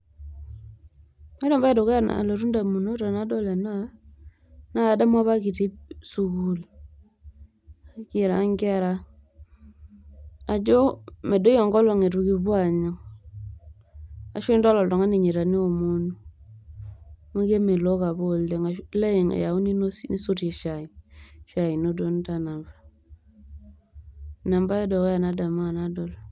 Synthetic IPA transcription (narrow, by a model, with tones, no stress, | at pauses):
ŋa˦ɾɔ˨mba˦i˨do˨ka˦na̰˨lo˨ɾu˦nda˨mu˨no˦ta˨na˨˦dɔ˦lɛ˨na˦ | na˦a˨da˦mwa˦βa˦ki˨ti˦p̚su˨ku˨l | a˦kɪ˨ɾa˨˦ŋɡɛ˦ɾa˦ | a˨d͡ʒo˦me˨do˦jɔ˨ŋɡɔ˦lɔ˨ŋe˨tu˨ki˨βwa˨ɲɔ˨ŋ | a̰˨ʃe˦ndɔ˦lɔ˨ldo˨ŋa˦ni˨ɲi˨ɾa˨ni˦o˨mo˦nu˦ | ma˦ɡe˦me˨lo˦ka˨bo˦˨lde˨˦ŋa˨le˦i˨ŋa̰˨ja˨u˦ni˦no˦si˦ni˦su˦ɾe˨ʃa˨i˨ʃa˨i˨no˦do˦n˦da˨na˨vḁ˨ | na˨mba˦jɔ˦do˨kja˨na˦da˨ma˦˨na˦do˨l